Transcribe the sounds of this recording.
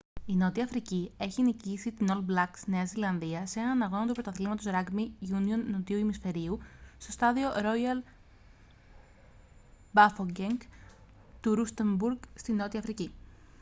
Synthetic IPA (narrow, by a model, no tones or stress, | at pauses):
ino̞t̪iɐfɾicie̞çinicisit̪ino̞lblɐksne̞ɐzilɐnðiɐse̞nɐnɐɣo̞nɐt̪upɾo̞t̪ɐθlimɐt̪o̞sɾɐɡmiʝunio̞nːot̪iuimisfe̞ɾiust̪o̞st̪ɐðioɾo̞jɐl | bɐfoɟeŋɡ | t̪uɾust̪embuɾɡst̪ino̞t̪iɐfɾici